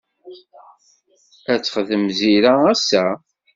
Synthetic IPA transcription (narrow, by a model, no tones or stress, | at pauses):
æt͡sːχðəmziɾaæsæ